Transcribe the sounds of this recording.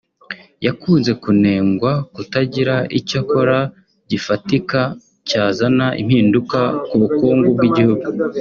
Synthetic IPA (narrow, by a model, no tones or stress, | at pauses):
jakuːnze̞kune̞ːŋɡwakutaɟiɾaʔicoko̞ɾa | ɟifatika | caːzanaʔḭmhiːndukakuβukuːŋɡub̚ɡiɟihuɡu